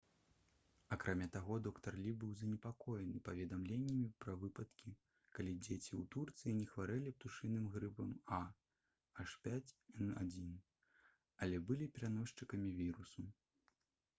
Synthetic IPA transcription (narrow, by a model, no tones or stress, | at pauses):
akɾʔamʲat̪aɣɔd̪ɔkt̪ɐrlʲibɨwzɐnʲɛpakɔjɛnɨpɐvʲɛd̪amlʲenʲːɐmʲipɾɐvɨpɐt̪kʲi | kalʲid͡zʲet͡sʲiwt̪urt̪sɨjinʲɛxvaɾɛlʲip̚t̪uʂɨnɨmɣɾɨbɐma | aʂpʲat͡sʲɛnad͡zʲin | ɐlʲɛbɨlʲipʲɛɾanɔʂt͡ʂɨkɐmʲivʲiɾusu